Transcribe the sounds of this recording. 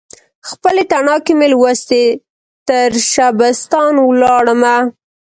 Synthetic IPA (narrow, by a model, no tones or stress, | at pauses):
xpəleʈ̪anɑkemelwəst̪e | t̪əɾʃabəst̪ɑnwlɑɽəma